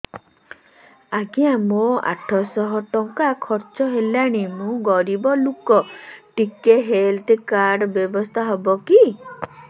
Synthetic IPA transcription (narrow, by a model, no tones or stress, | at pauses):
aɡijãmoa̰ʈʰɔsɔɦɔʈɔŋkakʰɔɾt͡ʃɔɦelaɽ̃imũɡɔɾibɔlukɔʈikeɦelt̪kaɾɖbjɔbɔst̪ʰaɦɔbɔki